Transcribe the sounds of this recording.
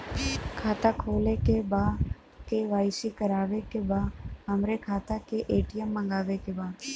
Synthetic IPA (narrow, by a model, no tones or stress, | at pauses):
kʰaːt̪akʰoːlekebaː | keʋaːɪsikəɾaːʋekebaːɦəmɾekʰaːt̪akeʔeːʈɪjəmːə̃ŋɡaːʋekebaːd̪